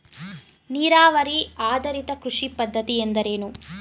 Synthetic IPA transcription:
niːɾaːʋɐɾiaːd̪ɐɾit̪ɐkɾuʂipɐd̪ʱːɐt̪iend̪ɐɾeːnu

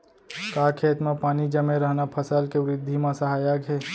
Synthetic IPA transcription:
kaːkʰeːt̪mẽpaːnid͡ʒəmeɾəɦnapʰəsəlkeʋɾɪd̪ʱːimãsəɦaːjakɦɛː

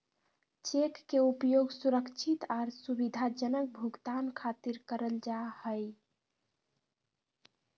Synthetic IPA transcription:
t͡ʃekːeupjoɡsuɾəkt͡ʃʰit̪aɾsubid̪ʱad͡ʒənək̚bʱuɡt̪ankʰat̪iɾkəɾəld͡ʒahəj

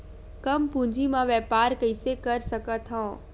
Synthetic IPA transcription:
kɐmpũd͡ʑimãʋɛːpaːɾkəisekəɾsəkət̪ʰɔ̃ː

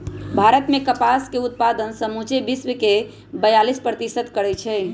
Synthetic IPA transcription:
bʱaɾət̪mekəpaskeut̪̚pad̪ənsəmut͡ʃebisʋəke | bəjalispɾət̪isəd̪kəɾɛt͡ʃʰɛ

